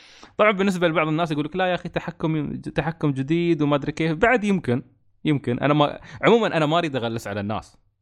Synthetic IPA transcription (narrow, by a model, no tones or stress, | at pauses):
t̪ˤɑbʕɑnbɪnːɪs̬balɪbɑʕðˤɨnːaːs̬jɡuːlːaklajaʔaxit̪aħakːʊmt̪aħakːʊmd͡ʒɪd̪iːd̪wmaʔad̪ɾikeːfbaʕd̪jɪmkɪn | jɪmkɪnʔa̰nama̰ʕʊmuːmanʔanamaɾiːd̪ɣalːasʕalanːa̰ːs